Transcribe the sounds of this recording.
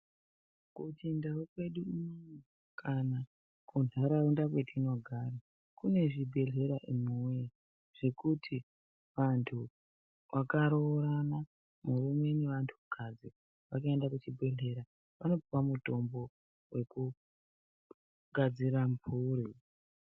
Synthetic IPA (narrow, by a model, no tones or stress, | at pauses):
kut͡ʃindaukwe̞ɗuimo | kʰana | kʰunʱaɾaundakwe̞tʰino̞ɡʱaɾa | kune̞ʐibʱe̞ɮe̞ɾaʔimue | ʐ̥ekutʰi | ʋantʰu | ʋʔakaɾoɾana | murume̞neʋantʰu̥kʰad͡zi | ʋakaendakut͡ʃibʱe̞ɮe̞ɾa | ʋano̞pupamuto̞mbo̞ | we̞ku | ɡʱad͡ziɾampuɾi